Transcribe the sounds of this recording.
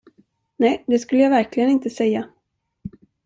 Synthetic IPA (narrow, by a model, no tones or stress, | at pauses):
nɛjd̪ɛskɵlːəjaːvæɾklɪɡənɪnt̪əsɛjːa